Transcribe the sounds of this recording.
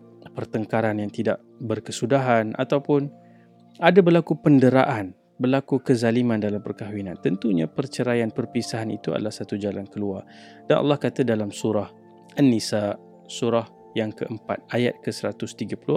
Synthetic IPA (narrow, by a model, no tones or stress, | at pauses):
pərt̪əŋkaɾanjaŋt̪ida̰ʔ | bərkəsudaɦanʔa̰t̪awpʊn | adabərlakupəndəɾa̰ʔan | bəlakukəzalimãndalampərkaɦwinant̪ənt̪uɲapərt͡ʃəɾajanpərpisaɦanḭt̪ua̰da̰lahsat̪ud͡ʒalankəluar | danʔa̰lːɑhkat̪adalamsuɾah | ʔənːisa | suɾah | jaŋkəʔəmpa̰t̪̚ajat̪̚kəsəɾat̪ʊst̪iɡapulu